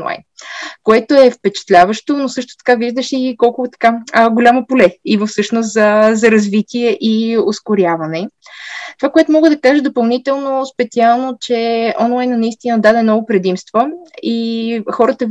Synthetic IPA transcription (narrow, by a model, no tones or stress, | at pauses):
lˠa̰jnkoɛt̪oɛfpɛt͡ʃɛ̥t̪lʲavəʃt̪onosɤʃt̪o̥t̪ɐ̥kaviʒd̪əʃikɔlˠkʊvt̪ɐ̥kaɡolʲamopolɛivəfsɤʃnost̪zɐzɐɾɐzvit̪ʲiɛʔioskʊɾʲjavɐnɛt̪ovakoɛt̪omɔɡəd̪ɐkaʒəd̪opɐlˠnit̪ɛlˠnospɛt̪sialˠnot͡ʃɛɔnlˠajnənɐist̪inəd̪ad̪ɛnɔɡopɾɛd̪imst̪voixɔɾət̪ə